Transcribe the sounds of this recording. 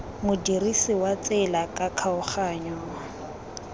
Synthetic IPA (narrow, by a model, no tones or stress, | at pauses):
mʊdirisɪwat͡sʼɛlakʼakʰaʊχaɲɔːa